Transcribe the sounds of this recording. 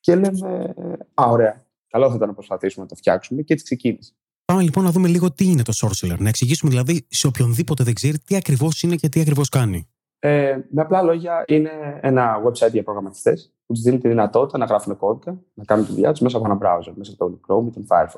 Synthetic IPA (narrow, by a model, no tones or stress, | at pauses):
celemeaoɾe̞ɐ | kɐlo̞θɐit̪ɐnɐpɾospɐθisumenɐt̪oft̪çɐ̰ksume̞cet̪i̥kse̞cinisie̥ | pɐme̞lipo̞nːɐðume̞liɣo̞t̪iine̞t̪o̞so̞ɾseleɾnɐe̞ksiʝisumeðilɐðiseopço̞nðipo̞t̪e̞ðeɡze̞ɾit̪iɐkɾivo̞sinece̞t̪iɐkɾivo̞skɐni | emeaplɐlo̞ʝɐine̞enɐwebsɐjt̪ʝɐpɾo̞ɣɾɐmɐt̪i̥st̪ḛs | put̪izðinet̪iðinɐt̪o̞t̪it̪ɐnɐɣɾɐfumeko̞tikɐnɐkɐnunet̪iðiɐ̰t̪uzme̞s̬ɐponɐbɾa̰wzeɾmesɐt̪omikɾomit̪onfa̰lfo